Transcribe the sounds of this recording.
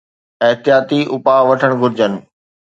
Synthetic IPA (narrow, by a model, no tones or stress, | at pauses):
ɐɦt̪ijaːt̪iʊpaʋɐʈʰəɽ̃ɡʱʊɾɪd͡ʑənɪ̆